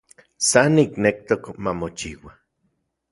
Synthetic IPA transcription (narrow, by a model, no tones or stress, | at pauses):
sanːiknek̚t̪okmamot͡ʃiwa